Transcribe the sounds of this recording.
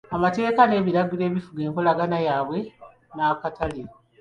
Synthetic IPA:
amate̞ːkane̞ːβiɾaɡule̞ːβifuɡe̞ːŋkolaɡanajaːβwe̞ | naːkatale

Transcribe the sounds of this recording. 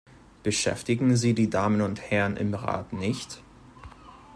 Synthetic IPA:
b̥əʃɛ̰ftɪɡŋ̩ziːdiːdaːmənʊnthɛʁənʔɪ̰mʁa̰ːtnɪçt

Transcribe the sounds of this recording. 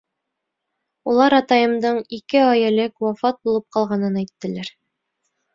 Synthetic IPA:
ulˠɑɾɑt̪ɑjɤ̆md̪ɤɴikɘɑjælɘkwɑfɑt̪̚bulˠɤp̚qɑlˠʁɑnɤnæjt̪ːɘ̆læɾ

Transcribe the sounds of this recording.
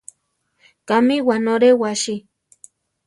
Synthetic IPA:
kamiwanoɾewaʃi

